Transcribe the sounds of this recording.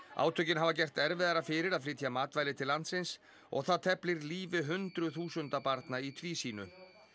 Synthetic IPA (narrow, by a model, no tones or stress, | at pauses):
a̰ːwt̪ʰœɥcɪnɦavacɛjr̥t̪ɛɾvɪðaɾafɪːɾɪɾaðflɪːt̪jamaːt̪vaːjlɪt̪ʰɪllːant̪sɪns | ɔ̰ɣθaðt̪ʰɛplɪɾliːvɪɦʏnt̪ɾʏθuːsʏnt̪apaɾt̪nait̪ʰviːsiːnʏ